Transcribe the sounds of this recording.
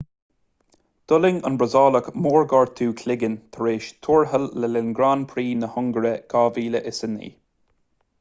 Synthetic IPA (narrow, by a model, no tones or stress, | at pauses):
d̪̥ʊlɪŋə̰nbɹəzɑːləkmoːɹɡɑɹt̪ʰːuːkʰlɪɡənt̪ʰəɹeːʃt̪ʰuːɹɦəlːɛlɪnɡɾaːnpʰɾiːnəhʊŋɡəɾəɡ̥aːviːləʔɪsənːḭː